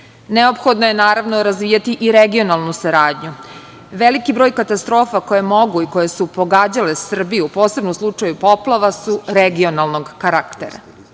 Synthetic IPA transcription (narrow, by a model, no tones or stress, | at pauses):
neo̞pxo̞d̪noje̞naːɾaʋnoɾazʋiːjat̪iʔiɾeɡio̞nalˠnusaɾaːd̪ɲu | ʋelikibɾoːjkat̪ast̪ɾo̞ːfako̞jemo̞ɡuiko̞jesupo̞ɡaːd͡ʑalesr̩bijuupo̞ːsebnomslˠut͡ʂajupo̞plˠaʋasuɾeɡio̞nalˠno̞ɡkaɾakt̪eɾa̰